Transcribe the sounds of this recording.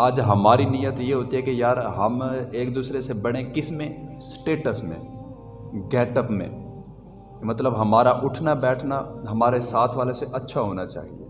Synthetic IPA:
aːd͡ʒɦɐmaːɾinɪjət̪jeɦoːt̪iɦɛkejaːɾɦɐmeːk̚d̪uːsɾesebɐɽ̤̃ẽkɪsmẽsʈeːʈəsmḛ̃ | ɡɛːʈəpmḛ̃ | mɐt̪ləbɦɐmaːɾaʔʊʈʰnabɛːʈʰnaɦɐmaːɾesaːt̪ʰʋaːleseʔɐtːʃʰaɦoːnat͡ʃa̰ːɦie

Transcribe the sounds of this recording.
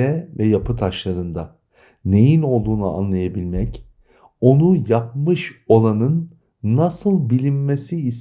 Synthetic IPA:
ɛvɛjapʰɯt̪ʰaʃlˠaɾɯnd̪a | ne̞jino̞lˠd̪uːnua̰nlˠajabilʲmɛc | o̞nujap̚mɯʃo̞lˠanɯnː | asɯlˠbilʲimːesiːs

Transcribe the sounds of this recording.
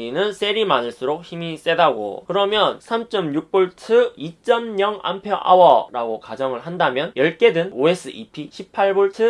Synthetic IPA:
inɯnsʰe̞ɾimanɯɭs͈uɾok̚çimis͈e̞daɡo̰kɯɾʌmjʌnsʰamt͡ɕ͈ʌmjuk̚p͈oɭtʰɯit͡ɕ͈ʌmɲʌŋa̰mpʰjʌʔa̰wʌɾaɡokad͡ʑʌŋɯɭhandamjʌnjʌɭk͈e̞dɯnoe̞s͈ʰɯʔipʰiɕʰipʰːaɭboɭtʰɯ

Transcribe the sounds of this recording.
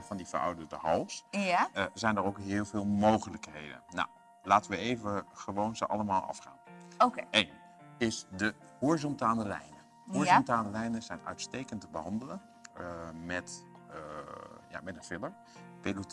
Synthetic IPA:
fɑndifa̰wdədəhɑlˠsəzɛjndərowkɦɪːlˠvɪːlˠmowχələkhejdə̰nnɔ̰w | laːtənʋəeːvəχəʋoːnzəʔɑ̰ləmaːlˠʔɑ̰fχa̰ːnoen | ɪsdə | hoɹiz̬ɔntaːnəlɛ̰jnə | oɹɔntaːnəlɛjnəzɛjnœ̰ɥtsteːkəntəbəɦɑndələ | mɛt | ja̰mɛtənfɪləɹ | pelut

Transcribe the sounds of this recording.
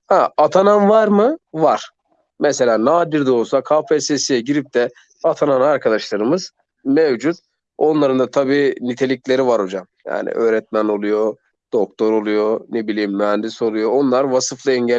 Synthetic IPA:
haat̪ʰananvaɾmɯvaɾ̥ | mɛse̞lʲaːnaːd̪iɾd̪osakʰaːpʰesesijɛɟiɾip̚d̪ɛ | at̪ʰananaɾkʰad̪aʃlˠaɾɯmɯz | mevd͡ʒut̪̚ | o̞nlˠaɾɯnd̪at̪ʰabiːnit̪ʰe̞lʲiclʲe̞ɾivaɾo̞d͡ʒamja̰ːnḭʔøːɾɛt̪̚mæno̞lˠujo | d̪̥o̞k̚t̪ʰo̞ɾo̞lˠujonebilʲiːmːyɦænd̪iso̞lˠujo̞onlˠaɾvasɯflˠɯɛɲɟæ

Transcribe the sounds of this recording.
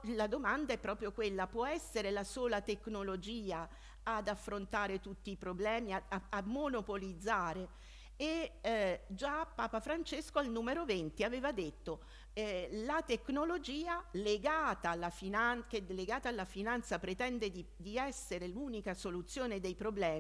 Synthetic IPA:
lad̪omand̪aɛpːɾɔːpɾjokwelːapwɔɛsːeɾelasoːlat̪eknolod͡ʒiːaː | d̪afːɾont̪aːɾet̪ut̪ːiːpɾoblɛːmiaaamonopolid̪zːaːɾe | e | d͡ʒapːaːpafɾant͡ʃeskoalnuːmeɾovent̪iaveːvad̪et̪ːo | lat̪eknolod͡ʒiːaleɡaːt̪alːafinankelːeɡaːt̪aːlːafinant̪sapɾet̪ɛnd̪ed̪i | d̪iɛsːeɾeluːnikasolut̪sːjoːned̪ejpɾoblɛːmi

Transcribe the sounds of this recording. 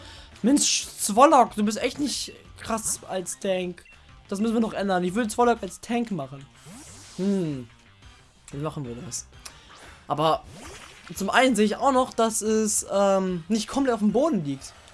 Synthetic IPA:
mɪnst͡sv̥ɔlɔkd̥uːbɪs̬tʔɛçtnɪçtkʁ̥asalstʰɛŋk | d̥asmʏsn̩viːɐnɔχʔɛndɐnɪçv̥ʏːɾət͡sv̥ɔlɔkalstʰɛŋkmaχn̩ | hm̩ | v̥amaχn̩viːɐdas | ʔaːbɐ | t͡sʊmʔa̰ɪnənzeːəɪça̰ʊxnɔχd̥asɛsʔɛːmnɪçt̚kʰɔmplɛtaʊfmboːdn̩liːk̚t

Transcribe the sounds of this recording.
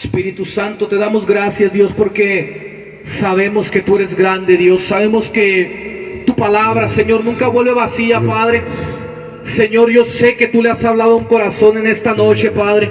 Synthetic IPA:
spiɾit̪usant̪o̞t̪e̞ðamo̞zɡɾasjazðjo̞spo̞ɾke | saβ̞e̞mo̞ske̞t̪ue̞ɾe̞zɡɾand̪e̞ðjo̞sːaβ̞e̞moske | t̪upalaβɾase̞ɲo̞ɾnũŋkaβwe̞lβe̞βasiapaðɾe̞ | se̞ɲo̞ɾʝo̞se̞ke̞t̪uleasaβlað̞ouŋko̞ɾaso̞ne̞ne̞st̪ano̞t͡ʃe̞paðɾe

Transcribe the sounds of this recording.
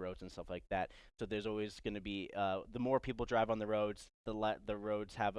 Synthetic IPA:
ɹoʊdz̥̃n̩stʌflaɪk̚ðæt̚soʊðə˞zɔlˠwizɡʌnɨbiʌðəmɔɹpʰipl̩ˠdɹaɪvə̃n̩ðəɹoʊdz̥ðəlɛðɨɹoʊdz̥həv

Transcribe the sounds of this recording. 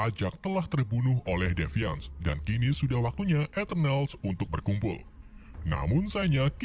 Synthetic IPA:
ad͡ʒak̚t̪əlaht̪ərbunʊɦolɛhdefia̰nsda̰nkinisudahwak̚t̪uɲaʔɛt̪ənɛlsunt̪ʊk̚bərkumpʊ̰lna̰mʊnsaɲak

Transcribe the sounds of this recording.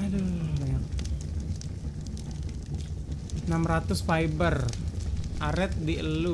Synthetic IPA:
dobaɲak̚ | namrat̪ʊspajbər | ʔaɾɛt̪̚diəlu

